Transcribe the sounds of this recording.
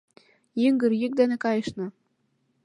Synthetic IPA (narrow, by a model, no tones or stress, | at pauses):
jiŋɡɘ̆rjik̚d̪ænĕkɑjɤʃnɤ̆